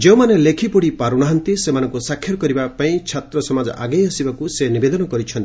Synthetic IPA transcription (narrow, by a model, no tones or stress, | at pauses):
d͡ʒew̃manelekʰipɔɽipaɾuɽ̃aɦɔnt̪isemanɔŋkusakʰjɔɾɔkɔɾibapaĩt͡ʃʰat̪ɾɔsɔmad͡ʒɔ̰ʔaɡejɔsibakusenibed̪ɔnɔkɔɾit͡ʃʰɔnt̪ii